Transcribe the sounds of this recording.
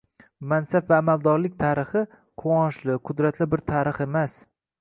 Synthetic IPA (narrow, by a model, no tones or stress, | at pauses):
mansapvaːmald̪ɒɾlɪk̚ʲt̪ʰaɾɪχɪ | qʰoɒnʃlɪqʰʊd̪ɾat̪lɪbɪɾt̪ʰaɾɨχe̞mas